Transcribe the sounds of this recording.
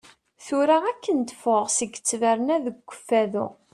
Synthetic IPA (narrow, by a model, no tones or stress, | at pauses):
θuɾaækːənt̪ə̥foʁsəɡə̥t͡sːvæɾnæðəɡʷːəfːæðṵ